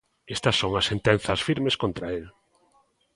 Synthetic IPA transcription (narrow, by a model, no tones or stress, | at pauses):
est̪ɐsːoŋɐsːent̪en̟θɐsfiɾmeskont̪ɾɐel